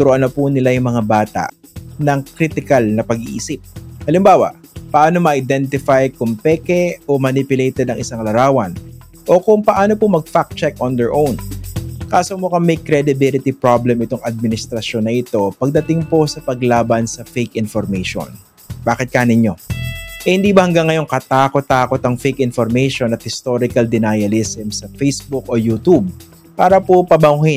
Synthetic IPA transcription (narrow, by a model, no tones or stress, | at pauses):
t̪ʊɾoʔɐnːɐpʊnɪlajʊŋmɐŋabaːt̪a̰ʔnɐŋkɾit̪ɪkɐlnɐpɐɡiʔḭːsɪp̚hɐlɪmbaːwa̰ʔpɐʔaːnomɐʔaɪd̪ɛnt̪ɪfajkʊŋpɛːkɛʔomɐnɪpjʊlejt̪ɛd̪ɐŋʔɪsaŋlɐɾaːwɐn | ʔo̞kʊŋpɐʔaːno̞pʊmɐɡ̚fak̚t͡ʃɛkʔɔnd̪ɛɹʔownkaːsomokɐŋmɛjkɾɛd̪ɪbɪlɪt̪ipɹablɛmɪt̪oŋʔɐd̪̚mɪnɪst̪ɾɐʃjo̞nːɐʔɪt̪o̞pɐɡ̚d̪ɐt̪ɪŋposɐpɐɡlaːbɐnsɐfejkʔɪnfoɾmɛjʃo̰n | baːkɪt̪̚kaːnɪɲo̞ʔɛhɪnd̪iːbɐhɐŋɡɐŋːɐjo̞ŋkɐt̪aːko̞t̪ːaːko̞t̪ɐŋfɛjkɪnfoɾmɛjʃonɐt̪̚hɪst̪oɾɪkɐld̪ɪnajɐlɪsɛmsɐfejsbʊkʔojuːt̪ub̚ | paːɾɐpopɐbɐŋhɪ